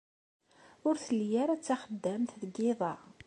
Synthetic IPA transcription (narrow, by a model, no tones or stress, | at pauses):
ʊɾθəljæɾæt͡sːaχəd̪ːæmθðəɡɪðˤɑ